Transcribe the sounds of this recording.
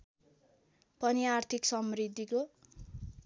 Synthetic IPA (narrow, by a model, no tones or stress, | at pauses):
pʌniart̪ʰiksʌmrid̪ʱːiko